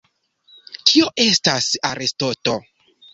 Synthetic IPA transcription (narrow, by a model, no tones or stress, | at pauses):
tʰio̞ʔe̞stasaɾestoto